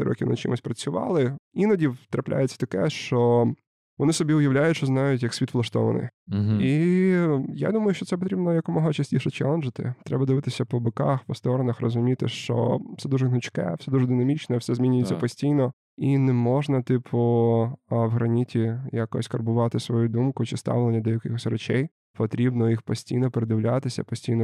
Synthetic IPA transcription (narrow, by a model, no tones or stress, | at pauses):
ɾɔ̰kʲiwnɐ̰t͡ʃɪ̰mʊsʲpɾɐt͡sʲʊʋɑ̰lˠɪinɐdʲiwt̪ɾɐplʲʔa̰jet͡sʲːɐ̥t̪ɐkɛʃt͡ʃɔ | ʋɔnɪsɔbʲiʊjɐʋlʲajʊtʲʃt͡ʃɔznɑjʊtʲjɐksʲʋit̪ʋlˠɐʃt̪ɔ̰ʋɐ̰nɪ̰ji | ja̰d̪umɐjʊʃt͡ʃɔtsɛp̬ɔt̪ɾʲibnɔjɐkʊmɔɦɐt͡ʃɐsʲtʲiʃɛt͡ʃɛ̰lˠɛnʒɪt̪ɪ̰t̪ɾɛbɐd̪ɪʋɪt̪ɪsʲɐpɔbɪkaxpɔst̪ɔɾɔnɐxrɔzʊmʲit̪ɪ̰ʃt͡ʃɔ̰fsɛd̪uʐɛnʊt͡ʃkɛ̰fsɛd̪uʒɛd̪ɪnɐmʲit͡ʃnɛwsɛzʲmʲinʲʊjɛt͡sʲːɐpɔsʲtʲijnɔ | inɛmɔʒnɐt̪ɪpʰʊ | wɦɾɐnʲitʲijakɔ̰sʲkɐrbʊʋɑt̪ɪsʋɔjud̪umkʊt͡ʃɪst̪ɑ̰ʋlˠenʲːɐd̪ɔjɐkɪxɔsʲrɛt͡ʃɛj | pɔt̪ɾʲibnɔjixpɔsʲtʲijnɔpeɾed̪ɪʋlʲat̪ɪsʲɐ̰pɔsʲtʲijnɔ